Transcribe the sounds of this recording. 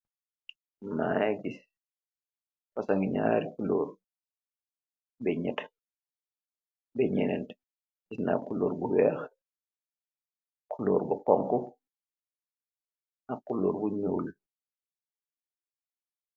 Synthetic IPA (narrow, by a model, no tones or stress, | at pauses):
majɛɡis | fasaŋɡiɲa̰ːɾikuloːɾ | bɛɲɛt | bɛɲɛnɛnt | kisna̰kuloːɾbuwɛːx | kʰuloːɾbukɔŋku | akulːoːɾbuɲuːl